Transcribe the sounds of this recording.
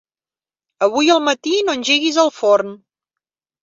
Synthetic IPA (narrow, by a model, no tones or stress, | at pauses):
əβ̞ujəlˠmət̪inonʲʒeɣizəlˠforn